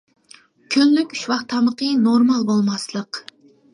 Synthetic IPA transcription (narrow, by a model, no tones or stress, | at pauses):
kʲʰynlykʲy̥ʃwɑχt̪ʰːɑməqənoɾmɑlˠbolˠmɑslˠəq